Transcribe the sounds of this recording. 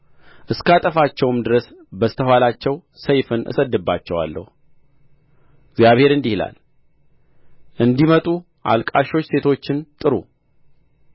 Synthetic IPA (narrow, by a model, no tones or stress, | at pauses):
ʔɨskat̪ʼəfat͡ʃːɛwɨmd̪ɨɾəsbəst̪ʰəɦʷwalat͡ʃːɛw | səjfɨnʔɨ̰səd̪ːɨbːat͡ʃːɛwa̰lːə̰hu | ɡzjaβhe̞ɾɨnd̪ihla̰l | ʔɨnd̪imət̪ʼu | ʔa̰lkʼaʃo̞t͡ʃːse̞t̪ʰo̞t͡ʃːɪnt̪ʼɨɾu